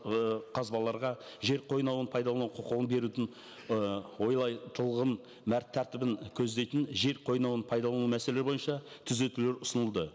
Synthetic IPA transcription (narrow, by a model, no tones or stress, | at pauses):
qʰɑzbɑlˠːɑɾʁɑʒe̞ɾqʰo̞jnɑwənpʰɑjd̪ɑlˠɑnuqʰoqəʁənbe̞ɾut̪ɪn | wo̞jlˠɑjt̪ʰəlˠʁən | mæɾt̪ʰːæɾt̪ɪbɪŋkʲʰɵzd̪e̞jt̪ɪnʒe̞ɾqʰo̞jnɑw̪ənpʰɑjd̪ɑlˠɑnumæselɾbo̞jənʃɑt̪ʰʏze̞t̪ule̞ɾʊsənəlˠd̪ə